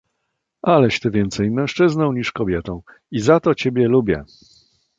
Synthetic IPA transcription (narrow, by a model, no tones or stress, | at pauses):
alɛɕt̪ɘvʲjɛnt̪sɛjmɛ̃w̃ʂt͡ʂɘznɔ̃w̃ɲiʂkɔbʲjɛt̪ɔ̃w̃ | izat̪ɔt͡ɕebʲjɛlubʲjɛ̰